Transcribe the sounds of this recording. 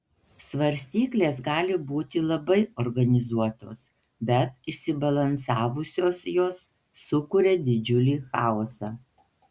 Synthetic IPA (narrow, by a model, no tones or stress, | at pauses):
sʋɐɾʲsʲt̪ʲiːklʲeːsɡɑːlʲɪbuːt̪ʲɪlˠɐbɐɪɔɾɡɐnʲɪzuɔt̪oːs | bʲɛt̪ɪʃʲsʲɪbɐlˠɐnsɑːʋʊsʲoːsjoːsː | ʊkʊɾʲɛd̪ʲɪd͡ʒʲʊlʲiːxɑˑɔsɑː